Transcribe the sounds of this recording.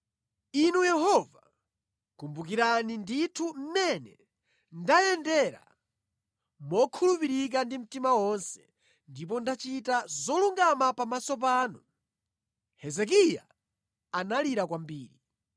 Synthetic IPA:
inujɛhɔva | kumbukiɾaninditʰum̩mɛnɛ | ndajɛndɛɾa̰ | mɔkʰulupiɾik̬andim̩timawɔnsɛ̥ | ndip̬ɔndat͡ʃitazɔluŋɡamapamasɔp̬aːnu | hɛzɛk̬ija̰ | analiɾakwambiːɾi

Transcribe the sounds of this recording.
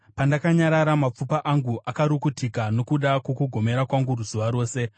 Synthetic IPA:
pandakaɲaɾaɾamap͡fupaʔaŋɡuʔakaɾukutʰikano̞kuɗakwo̞kuɡʱo̞me̞ɾakwaŋɡuruzuʋaɾo̞ːse̞

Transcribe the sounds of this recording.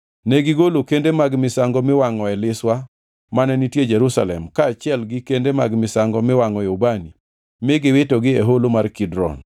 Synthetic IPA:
nɛɡɪɡolokendemaɡmɪsaŋɡɔmɪwaŋɔɛlɪswa | manɛnitjed͡ʒɛɾusa̰lɛmkaːt͡ʃɪɛlɡɪkendemaɡmɪsaŋɡɔmɪwaŋɔɛobani | mɪɡɪwetɔɡɪeɦolomarkɪdɾɔ̰n

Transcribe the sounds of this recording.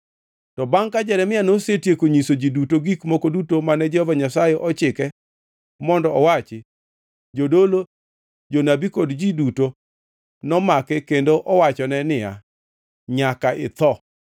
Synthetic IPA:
tɔbaŋkad͡ʒɛɾɛmɪanosetjekoɲisod͡ʒidutoɡikmokodutomanɛd͡ʒɛhɔvaɲasajɛʔɔt͡ʃɪkɛ | mɔndɔɔwat͡ʃɪ | d͡ʒodolo | d͡ʒonabikodd͡ʒiduto | nɔmakɛkendoʔɔwat͡ʃɔnɛnɪja̰ | ɲakaʔɪ̰t̪ɔ

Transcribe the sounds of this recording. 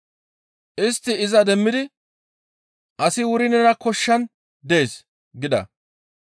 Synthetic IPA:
ʔɪst̪ːɪɪzɐd̪ɛmːɪd̪ɪ | ʔɐsɪwʊɾɪnɛnɐkɔʃːɐn | d̪e̞ːs | ɡɪd̪ɐ̰

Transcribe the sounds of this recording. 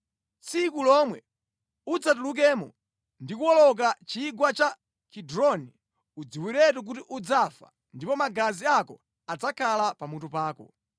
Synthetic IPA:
t͡sikulɔmwɛ | ud͡zat̬uluk̬ɛːmɔ̰ | ndik̬uwɔlɔk̬at͡ʃiːɡwat͡ʃa | kʰidɾɔni | ud͡ziwiɾɛt̬ɔk̬utiʔud͡zafa̰ | ndipɔmaɡaziakɔ | ad͡zakʰalapamutupaːkɔ̰

